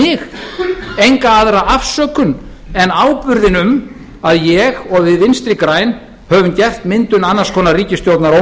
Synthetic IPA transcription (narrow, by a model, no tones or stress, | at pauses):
ɪx | ejŋkaaðɾaʔafsœːkʏn | ɛnaːwpʏɾðɪnʏm | aðjɛɣɔɣvɪðvɪnst̪ɾɪkɾaːjn | hœvʏmcɛft̪mɪnt̪ʏnanːḁskʰɔːnariːcɪst̪jowt̪naɾo